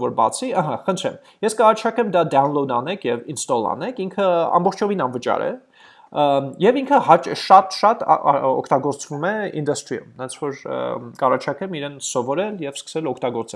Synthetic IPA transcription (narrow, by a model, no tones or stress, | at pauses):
vɔɾbɑ̰t͡sʰiɑɦɑχənt̪ʰɾɛ̰m | jɛskɑrɑt͡ʃʰɑkɛmd̪ɑd̪ɑnlɔnɑnɛkʰjɛvinst̪ɔlɑ̰nɛkʰiŋkʰəɑ̰mbɔχt͡ʃʰɔvinɑnvət͡ʃɑ̰ɾɛ̰ | jɛviŋkʰəɦɑt͡ʃʃɑt̪ʃɑt̪ɔ̰kʰt̪ɑɡɔɾt͡svumɛḭnd̪ɑst̪ɾiṵmnɛnt͡sʰvɔɾ̰kɑrɑt͡ʃʰɑkɛmiɾɛnsɔvɔɾɛljɛvskə̥sɛlɔkʰt̪ɑɡɔɾt͡sɛ